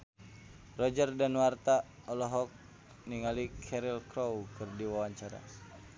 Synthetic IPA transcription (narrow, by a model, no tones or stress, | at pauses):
rɔd͡ʒərdanwart̪a | ɔlɔɦɔk̚ | niŋalikʰɛɾilkɾɔwkɨrdiwawaɲt͡ʃaɾa̰